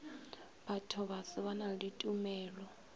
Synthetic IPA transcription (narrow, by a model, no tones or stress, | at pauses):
batʰɔβasɪβanaditʼumɛːlɔ